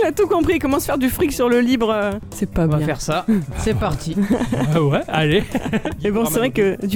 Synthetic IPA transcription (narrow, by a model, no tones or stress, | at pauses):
lat̪ukɔ̃pχiekɔmɑ̃sə̥fɛʁd̪yfχiksyʁləlibʁəsɛpãbvaɛ̃fɛʁsasɛpaʁt̪ʰi | wɛalemebɔ̃sevʁɛkəd̪